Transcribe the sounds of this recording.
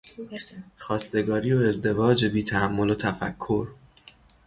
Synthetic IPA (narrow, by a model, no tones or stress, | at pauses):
xɒːst̪e̞ɡɒːɾiːoe̞zd̪e̞vɒːd͡ʒebiːt̪ʰæhæmːo̞lot̪ʰæfæ̰kʰːo̞ɾ